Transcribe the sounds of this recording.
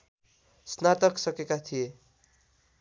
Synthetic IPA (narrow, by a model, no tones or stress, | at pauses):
snat̪ʌksʌkekat̪ʰije